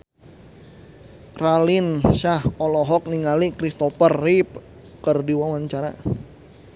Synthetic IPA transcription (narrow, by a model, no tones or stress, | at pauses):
ralɪnʃahɔlɔɦɔk̚niŋalikɾist̪ɔfərːip | kərdiwawaɲt͡ʃaɾa̰